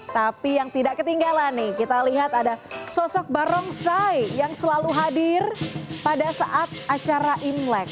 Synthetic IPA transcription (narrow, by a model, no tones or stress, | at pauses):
t̪apijaŋt̪idaʔkət̪iŋɡalanːɪhkit̪aliɦat̪adasɔsɔk̚baɾɔŋsajjaŋsəlaluɦadɪrpadasaʔat̪̚at͡ʃaɾaʔimlɛk̚